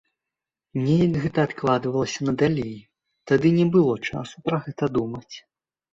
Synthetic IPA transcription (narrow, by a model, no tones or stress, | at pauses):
mnʲɛjɐkɣɛt̪ɐːt̪klˠad̪vɐlˠɐsʲɐnɐd̪alʲej | t̪ad̪ɨnʲɛbɨlˠɔt͡ʂa̰supɾɐɣɛt̪ɐd̪umɐt͡sʲ